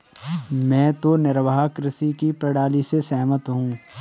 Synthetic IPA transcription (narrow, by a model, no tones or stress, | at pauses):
mɛ̃ːt̪onɪɾʋɦakɾɪsikipɾɐɽaːlisesɛːmət̪ɦũː